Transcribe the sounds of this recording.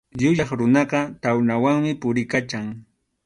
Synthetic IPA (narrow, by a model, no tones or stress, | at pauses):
ʎʊʎɑχɾʊnɑqɑt̪awnawaŋmɪpʊɾɪkat͡ʃaŋ